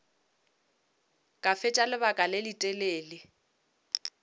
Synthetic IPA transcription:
kʼafɪt͡ʃʼalɪbakʼalɪlitʼeleːlɪ

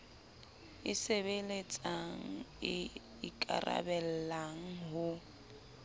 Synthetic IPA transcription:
ɪsebelet͡sʼaŋ̩ɪ | ikʼa̰ra̰bɛl̩laŋ̩ɦʊ

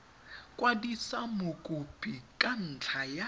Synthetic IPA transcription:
kʼwadisamokʼubʰikʼan̩t͡ɬʰaja

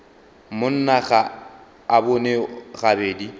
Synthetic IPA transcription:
mʊn̩naɣa | abʊneɣabeːdi

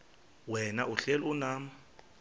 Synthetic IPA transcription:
wɛnaʔuɬelunaːm̩

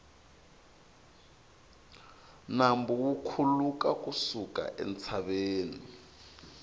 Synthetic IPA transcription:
nambuwukʰulukakʼusuka̰ʔɛ̰nt͡sʰaɓeːni

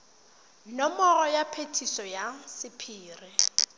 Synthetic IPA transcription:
nɔmɔrɔjapʰetʰisɔjasɪpʰiːrɪ

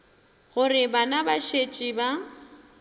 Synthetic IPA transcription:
ɣʊrɪbanabaʃet͡ʃʼiba

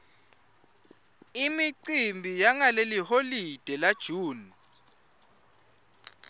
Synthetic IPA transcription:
imiǀimbʱijaŋaleliholid̥ʱɛlad̥ʒ̥ʱuːni

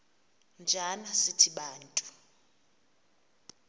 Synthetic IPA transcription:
nd͡ʒʱanasitʰiɓaːntʼu̥

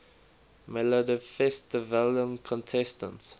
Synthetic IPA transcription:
mɛlədifɛstɪvəljə̃nkʰɔ̃ntʰɛstə̰̃nts

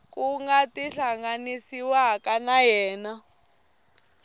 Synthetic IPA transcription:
kʼuŋɡatiɬaŋɡanisiwakanajɛːna

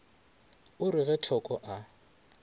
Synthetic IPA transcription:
ʊɾɪɣɛtʰɔkʼɔʔa

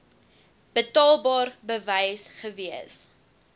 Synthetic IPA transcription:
b̥ətɑːlˠbɑːrbəvəjsχəviəs

